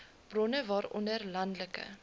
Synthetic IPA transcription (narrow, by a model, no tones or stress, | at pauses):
b̥rɔnəvɑːɾɔndərlɐndləkə̰